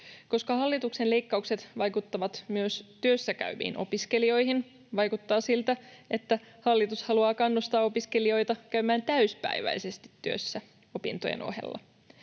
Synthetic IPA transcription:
ko̞skɑhɑlːit̪uksenle̞jkːɑukse̞t̪ʋɑjkut̪ːɑʋɑt̪myøst̪yøsːækæ̰yʋḭːno̞̰piske̞lio̞jhin | ʋɑjkut̪ːɑːsilt̪æe̞t̪ːæhɑlːit̪ushɑluɑːkɑnːust̪ɑːo̞piske̞lio̞jt̪ɑkæymæːnt̪æyspæ̰jʋæ̰jse̞st̪i̥t̪ːyø̰sːæ | o̞pḭnt̪ojḛno̰hḛlːɑ̰

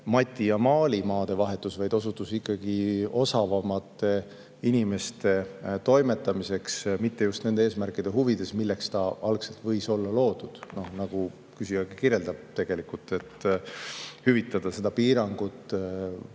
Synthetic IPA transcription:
mɑt̪ʲːˑijɑmɑːlimɑːd̪̥e̞vɑɦe̞t̪ˑːusvɑjd̪̥o̞s̬ut̪ːˑusikˑːɑɡ̥io̞sɑvɑmɑt̪ːˑe̞ | inime̞st̪e̞t̪o̞jme̞t̪ːˑɑmise̞ksmit̪ːe̞just̪ne̞nd̪eeːsmærkːˑid̪̥e̞ɦuvid̪̥e̞smilːe̞kst̪ɑɑlkse̞lt̪vɤ̞jso̞lːɑlo̞ːd̪̥ud̪̥no̞hnɑɡ̥u | kysiɑɡ̥ikiɾje̞ld̪ɑb̥̚t̪e̞ɡ̥e̞likult̪ːe̞t̪ː | hyvit̪ːˑɑd̪̥ɑse̞d̪̥ɑpiːɾɑŋɡ̥ut̪ːˑ

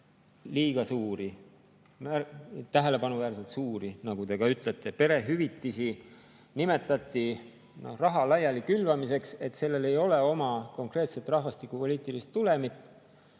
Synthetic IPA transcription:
liːɡ̥ɑsuːɾi | mæɾt̪æɦe̞le̞pɑnuvæːɾse̞lt̪suːɾinɑɡut̪e̞ɡ̥ɑyt̪ˑlet̪ːˑe̞pe̞ɾe̞ɦyvit̪ːisi | nime̞t̪ːˑɑt̪ːˑi | no̞̰hrɑɦɑlɑjɑlikylvɑmise̞kse̞t̪se̞lːe̞le̞jo̞le̞o̞mɑko̞ŋkre̞ːt̪se̞t̪ˑrɑhvɑst̪ikːˑupo̞liːt̪ˑilist̪ːule̞mit̪ːˑ

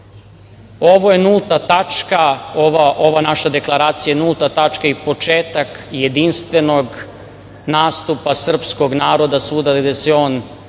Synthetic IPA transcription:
o̞ʋojenulˠt̪at̪at͡ʃkaoʋaʔoʋanaʃad̪e̞klˠaɾaːt̪sijanulˠt̪at̪at͡ʃkaipo̞t͡ʃeːt̪akjed̪inst̪ʋe̞noɡ | naːst̪upasr̩psko̞ɡnaːɾo̞d̪asuːd̪aɡd̪eseoːn

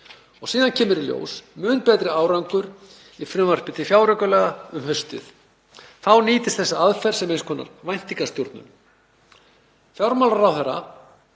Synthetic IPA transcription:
ɔɣsiːðancʰɛːmʏɾiljo̰ːwsmʏːnpɛːt̪ɾɪaːwɾawŋkʏɾ | ifɾʏmvar̥pɪt̪ʰɪfjawɾœkʏlɛːɣaʏmhœɥst̪ɪ̰θ | θawniːt̪ɪst̪θɛsːaaðfɛɾ̥sɛmejnskʰɔːna̰ɾvajn̥t̪iŋkast̪juɾt̪nʏ̰m | fjawɾmawlaɾawθɛɾːa̰

